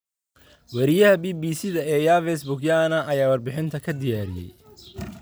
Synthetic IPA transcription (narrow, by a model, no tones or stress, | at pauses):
wɐɾɪjɐɦɐbiːbiːsɪðɐɛːjaːvɛsbʊɡjaːnɐʔɐjaːwɐrbɪħɪnt̪ʰɐkʰɐd̪ɪjaːɾɪ̰jɛ̰j